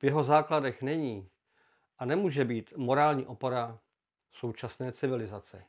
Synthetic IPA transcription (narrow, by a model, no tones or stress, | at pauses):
vjɛɦo̞zaːkladɛxnɛɲiː | ʔanɛmuːʒɛbiːt̪mo̞ɾaːlɲiːʔo̞poɾa | so̞wt͡ʃasnɛːt͡sɪvɪlɪzat͡sɛ